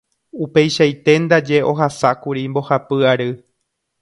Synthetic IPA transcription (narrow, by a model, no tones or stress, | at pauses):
upe̞jʃajt̪e̞nd̪ad͡ʒe̞ʔo̞ɦasakuɾimbo̞hapɨaɾɨ